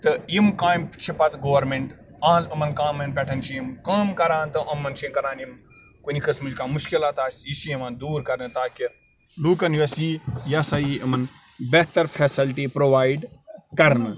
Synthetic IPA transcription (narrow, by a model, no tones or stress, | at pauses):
t̪ɨimkaːjmpt͡ʃʰipɐt̪ɡoːɐɾmeɳʈãːzɐmɐnkaːmɐnpʲeʈʰɐnt͡ʃʰimkaːmkɐɾãːnt̪ɨʔɐmɐnt͡ʃʰimkɐɾaːnim | kunʲikɐsmɨd͡ʒkaːmuʃkilaːt̪aːsʲisiimɐnd̪uːɾkɐɾnɨt̪aːki | luːkɐnjɐsiːjaːsaːjiːʔɐmɐn | beht̪ɐɾfʰeːsilʈiːpɾoːʋaːiɖkɐɾnɨ